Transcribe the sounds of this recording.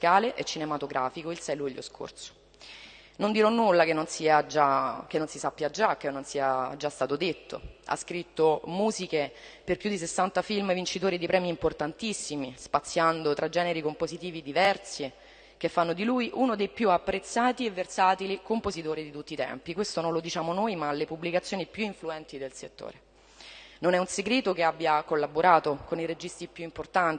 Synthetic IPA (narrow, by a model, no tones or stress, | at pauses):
kaːleʔet͡ʃːinemat̪oɡɾaːfikoilsɛjluʎːjo̰skʰo̰rt̪so̥ | nond̪iɾɔnːulːakenːonsiːad͡ʒak̟enːonsisapːjad͡ʒak̟ːenːonsiːad͡ʒast̪aːt̪od̪et̪ːo̰a̰skɾit̪ːomuːzikeperpjud̪ːis̬esːant̪afilmvint͡ʃit̪oːɾid̪ipɾɛːmiːmport̪ant̪isːimispat̪sːjand̪ot̪ɾad͡ʒɛːneɾikompozit̪iːvid̪ivɛrsi | k̟efːanːod̪iluːjʔunod̪ejpjuapːɾet̪sːaːt̪ievːersaːt̪ilikompozit̪oːɾid̪it̪ut̪ːiːt̪ɛ̰mpikwest̪onõnlod̪it͡ʃaːmonojmaːlːepublikat̪sjoːnipjuiɱfluɛnt̪id̪elset̪ːo̰ːɾe | nonɛunseɡɾeːt̪okeabːjakolːaboɾaːt̪okoniɾed͡ʒist̪ɾipjuimport̪ani